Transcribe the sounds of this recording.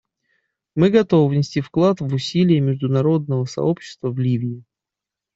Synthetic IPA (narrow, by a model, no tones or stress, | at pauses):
mɨɡɐt̪o̞vɨvnʲɪsʲtʲifklˠat̪vʊsʲilʲɪjəmʲɪʐd̪ʊnɐɾo̞d̪̚nəvəsɐ̰o̞pɕːɪ̥st̪vəvlʲivʲɪɪ